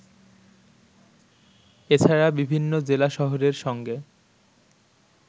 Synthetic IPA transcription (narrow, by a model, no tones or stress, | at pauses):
et͡ɕʰaɾabibʱinːod͡ʑelaʃɔɦoɾeɾʃɔŋɡe